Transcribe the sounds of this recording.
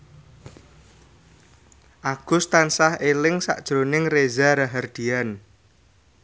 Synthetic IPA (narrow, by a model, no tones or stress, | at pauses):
ʔaɡ̥ʊst̪ansahelɪŋsa̰ʔd̥ʒ̥ɾonɪŋrezaɾaɦard̪̥ian